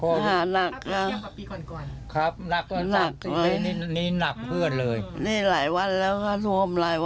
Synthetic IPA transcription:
haː˨˩˦na˨˩kʰːa˧˩ | kʰɾa˦˥p̚na˨˩k̚na˨˩k̚lɤː˧˩˧niː˦˥na˨˩k̚pʰɯ˥˩ənlɤː˧jniː˧˩laː˩˦jwa˧nlɛː˦˥wkʰaː˧˥˩lu˧˥əmlaː˨˩˦ja˧

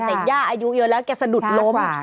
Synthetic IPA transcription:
t̪ɛ˨˩jaː˥˩ʔaː˧ju˦˥jɤː˧˥lɛː˦˥wkɛː˧˩sa˧du˨˩t̪̚lo˦˥m˧

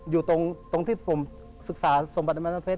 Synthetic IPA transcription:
juː˨˩t̪o˧ŋt̪o˧ŋt̪ʰiː˥˩pʰo˨˩˦m | sɯ˨˩k̚saː˩˦so˩˦ba˨˩t̚a˧ma˧˥a˧pʰeː˦˥

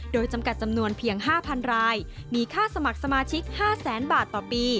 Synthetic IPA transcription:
doː˧jt͡ɕa˧mka˨˩t̪̚t͡ɕa˧mnu˧ənpʰiː˧əŋɦaː˥˩pʰa˧nɾaː˧j | miː˧kʰaː˥˩sa˧ma˨˩k̚sa˧maː˧t͡ɕʰi˦˥k̚haː˥˩sɛː˩˦nbaː˨˩t̪ːɔː˨˩piː˧

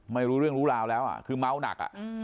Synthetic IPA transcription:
ma˥˩jɾuː˦˥ɾɯ˥˩əŋɾuː˦˥laː˧wlɛː˦˥wʔa̰˨˩kʰɯː˧ma˦˥˩wna̰˨˩k̚ʔa̰˨˩ʔ

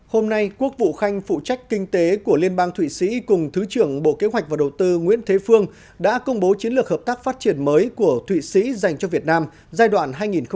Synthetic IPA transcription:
ho˧mna˧jku˦˥ək̚vṵ˧˨xa˧jŋ̟fṵ˧˨t͡ɕa˦˥jk̟̚kï˧ŋ̟t̪e˨˦ku˧˩əli˧ənɓaː˧ŋt̪ʰwḭ˧˨sḭ˧˥kʊ˨˩ŋ͡mt̪ʰɨ˨˦t͡ɕɨ˧˩əŋɓo̰˧˨ke˨˦ɦwa˨˩k̟̚vaː˨˩ɗə˨˩wt̪ɨ˧ŋwḭ˧˥ənt̪ʰe˨˦fɨ˧əŋ | ɗa̰ː˧˥kə˧wŋ͡mɓo˨˦t͡ɕi˨˦nlɨ˨˩ək̚həː˨˩p̚t̪aː˦˥k̚faː˦˥t̚t͡ɕi˧˩ənməː˨˦jku˧˩ət̪ʰwḭ˧˨sḭ˧˥za˨˩jŋ̟t͡ɕɔ˧vi˨˩ət̚naː˧m | zaː˧jɗwa̰ː˧˩nɦaː˧jŋi˨˩nx

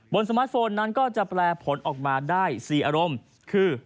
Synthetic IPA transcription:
bo˧nsa˧maː˦˥t̪̚foː˧nːa˦˥nkɔː˥˩t͡ɕa˨˩ʔplɛː˧pʰo˩˦nʔɔː˨˩k̚maː˧daː˥˩jsiː˨˩ʔaː˧ɾo˧m | kʰɯː˧˩

